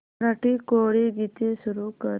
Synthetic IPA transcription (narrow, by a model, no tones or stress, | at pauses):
ɾaʈiːkoɽiɡit̪esuɾukəɾ